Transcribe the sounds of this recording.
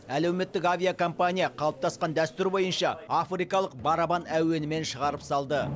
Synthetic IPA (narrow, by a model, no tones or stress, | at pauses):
ælewme̞t̪ːɪkavʲijakʰo̞mpanʲijaqʰɑlˠəp̚t̪ʰɑsqɑnd̪æst̪ʏɾbo̞jənʃɑafrijkɑlˠəq̚bɑɾabɑnæwe̞nɪme̞nʃəʁɑɾəpsɑlˠd̪ə